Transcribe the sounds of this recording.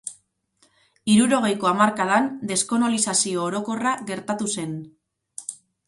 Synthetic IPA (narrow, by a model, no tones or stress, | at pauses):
iɾuɾo̞ɣ̞e̞jkoamaɾkaðand̪e̞sko̞nolisasio̞ːɾo̞ko̞raɣe̞ɾt̪at̪use̞n